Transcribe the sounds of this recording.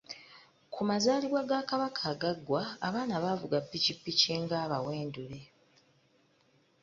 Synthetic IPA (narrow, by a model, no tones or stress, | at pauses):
kʰumazaːliβwaɡakaβakʰaɡaɡwa̰ːβaːnaβavuɡapːicipːiceːŋɡaːβawe̞ːndule̞